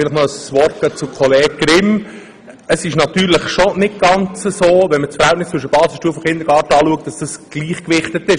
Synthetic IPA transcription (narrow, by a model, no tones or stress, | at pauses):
ɪləχnɔəsʋɔrt̚kət͡sukʰɔleːk̚ɡ̥ɾɪm | əsɪʃnɑt̪yːɾləχʃonɪt̚ɡ̥ɑnt͡səsoːʋɛnmət͡sfəɾhɛltnɪst͡svʏʃ̬əb̥ɑːsɪʃtuəfɔχɪnd̪ɾɡɑːɾtəɑːluək̚t̚d̥ɑsd̥ɑsɡ̥liːχkʋɪχt̪ət̪ɪʃ